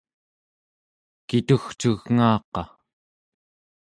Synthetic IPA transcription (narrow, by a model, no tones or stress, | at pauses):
kit̪uxt͡ʃuɣŋaːqɑ